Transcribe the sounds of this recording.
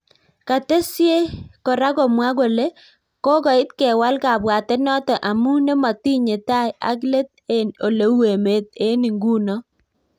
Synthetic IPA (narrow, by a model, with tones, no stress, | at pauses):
ka˨t̪e˦sje˦kɔ˨ɾa˦ɡɔ˨mwa˦ɡo˨le˦ | kɔ˦ɡɔ˨ɪ˦t̪kɛ˨wa˦lka˨bwa˨tɛ˦nɔ˦tɔ˨ʔa˨mu˦ne˦ma˨ti˦ɲe˨ta˦ja̰˦k̬le˦t̪̚e˦no˨le˨we˨me˨t̪̚e˦ni˨ŋɡu˦nɔ˦